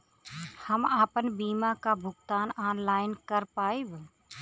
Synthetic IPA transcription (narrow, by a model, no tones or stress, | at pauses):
həmaːpənbiːmaːkaːbʱʊkt̪aːnaːnlaːɪnkəɾpaːib